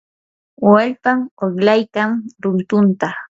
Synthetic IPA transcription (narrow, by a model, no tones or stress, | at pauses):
walpaŋoklajkaŋɾʊnt̪ʊnt̪a